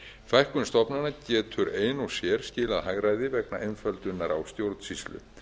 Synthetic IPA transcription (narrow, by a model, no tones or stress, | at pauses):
fajhkʏnst̪ɔpnanacɛːt̪ʰʏɾeːjnɔsjɛɾ̥scɪːlaðɦaɣɾaːjðɪvɛknaʔejnfœlt̪ʏnːaɾa̰wst̪jowɾt̪n̥sist̪lʏ̰